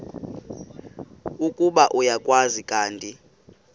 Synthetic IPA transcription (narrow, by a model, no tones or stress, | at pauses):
ukʼuɓaʔujakʼwazikʼaːntʼi